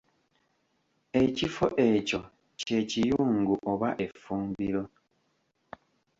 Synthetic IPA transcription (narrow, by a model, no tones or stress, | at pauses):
e̞cifo̰ʔeco | cecijuːŋɡuʔoβaʔe̞fuːmbiɾo